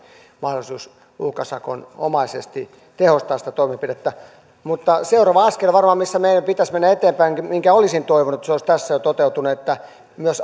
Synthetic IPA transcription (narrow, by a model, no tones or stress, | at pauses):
mɑhdolisuːs | uhkɑsɑko̰no̰mɑisḛst̪i | t̪ehost̪ɑːsĭ̥t̪æt̪oimipidet̪ːæ | mut̪ːɑseurɑʋɑɑskelʋɑrmɑːmmisːæmeijæmpit̪æsmenːæet̪eːmpæiŋkmiŋkæolisint̪oiʋonut̪soˑist̪æsːæjot̪ot̪eut̪unuet̪ːæ | myøs